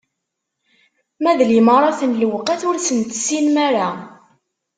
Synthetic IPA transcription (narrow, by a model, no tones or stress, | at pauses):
mæðliməɾˤɑθənlwəqæθʊɾsənt̪əsinmæɾa